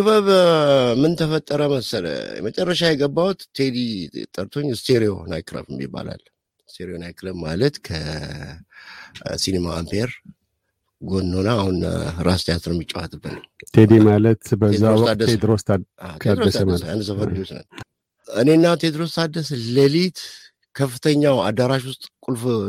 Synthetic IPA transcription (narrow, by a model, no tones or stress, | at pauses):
ɨβəβmɨnt̪ʰəfət̪ʼːəɾəməsələ̰mət͡ʃʼərːəʃajɛɡəbːawut̪ːʰed̪it̪ʼəɾt̪ʰo̞ɲːɨst̪ʰeɾio̞̰na̰jkɾə̰βɨmːḭbːa̰la̰l | ɨst̪ʰeɾio̞najkɾəβma̰lət̪kʰə | sinema̰ampʰeɾ | ɡo̞nːo̞naːhunɾast̪ʰejat̪nomit͡ʃʼːawa̰t̪ʼɨbːɨnət̪ʰed̪imalət̪bəezːaowɔk̪ad̪ːəsed̪ɾost̪ʰaat̪ead̪ɾoəsəmaa̰nd̪səfəɾosnə̰n | ɨne̞ɨnːat̪ʰed̪ɾo̞st̪ʰad̪ːəsələlit̪ | kʰəfːɨt̪ʰəɲːawa̰d̪aɾaʃ̬wʊst̪ʼkʼulf